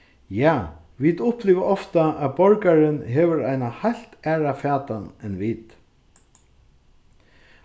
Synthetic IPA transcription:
jaː | ʋid̪ʊhpliːʋaɔft̪aʔæð̚bɔɹkaɾɪnɦɛːʋəɾajnahajl̥t̪æːɹafaːt̪anɛnʋit̪

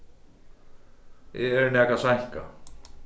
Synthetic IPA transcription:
jɛɛɾnɛkasajhka

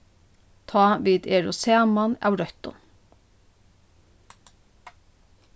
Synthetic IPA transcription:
t̪ʰɑːʋiːd̪eːɹʊ̰seːmana̰wɾœht̪ʊ̰n

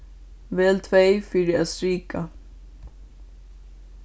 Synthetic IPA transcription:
vɛːlt̪ʰvejfɪːɾɪaðsɾiːka

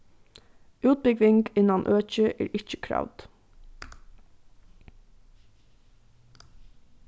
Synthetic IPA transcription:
ʉːt̪̚bʏɡʋɪŋɡɪnɑnʔøːc͡çəʔḛːɹʔɪc͡çə̥kʰɾɑ̰ʋd̪̥

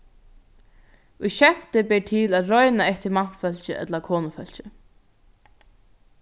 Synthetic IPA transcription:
ujɕɛm̥t̪ɪbɛʈ̪ʰɪlaðɾɔjnaɛht̪ɪɾmaht̪fœl̥t͡ɕɪ̰ʔɛ̰t̪lakʰɔːnʊfœl̥t͡ɕɪ

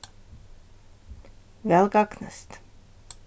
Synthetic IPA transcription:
vɛlɡɑknə̰st̪

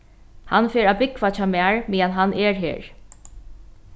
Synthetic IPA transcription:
hanfeːɹaːbɪkfat͡ʃʰamæːɹmiːanɦanɛːɹɦḛːɹ

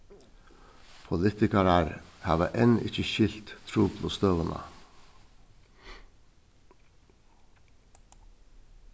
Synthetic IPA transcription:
pʰʊlɪːt̪ɪkɑɾæɾhɑ̰ːʋə̰ʔɛnʔɪ̰çəçɪlt̪t̪ʰɾuːpʰlʊst̪øːʋənʔə̰

